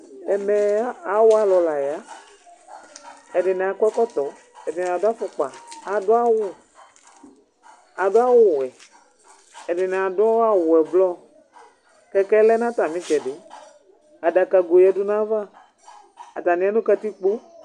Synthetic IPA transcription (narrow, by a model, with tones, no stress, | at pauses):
ɛ˨mɛ˨˦a˨wʊ˦a˨lɔ˨la˨ja˦ | ɛ˨dɪ˨nɛ˨a˨kwɛ˦kɔ˦t̪ɔ˨˦ | ɛ˨dɪ˨n˨a˨dʊ˦a˦fʊ˨k͡pa˨a˨dʊ˦a˦wʊ˦ | a˨dʊ˦a˦wʊ˦˨ɛ˨ | ɛ˨dɪ˨nɛ˨a˨dʊ˦ɔ˦a˦wʊ˨ɛ˨blɔ˦ | kɛ˦kɛ˦lɛ˦nã˦t̪a˨mĩ˦t͡ʃɛ˨dɪ˨˦ | a˨da˨ka˨ɡo˨jɛ˨dʊ˦nã˦va˦ | a˨t̪a˨nĩ˨˦a˦nũ˦ka˦t̪i˦k͡po˦